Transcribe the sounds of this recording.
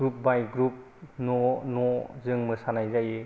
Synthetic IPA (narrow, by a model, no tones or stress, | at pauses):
ɾup̚bajɡɾup̚ | nɔnɔzɯŋmɯsanajzaje